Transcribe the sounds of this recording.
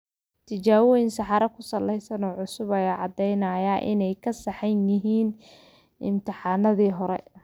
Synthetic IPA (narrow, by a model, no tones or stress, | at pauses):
t̪ʰɪt͡ʃaːwɔjnsɑħɑɾɐkʰʊsɐlːɛjsɐnɔːʕʊsʊβɐjaʕɑd̪ɛjnɐːjaːʔɪ̰nɛjkʰɐsɐħɛnjɪɦiːn | ʔɪ̰mt̪ʰɪħɑːnɐðiːɦɔɾɛ̰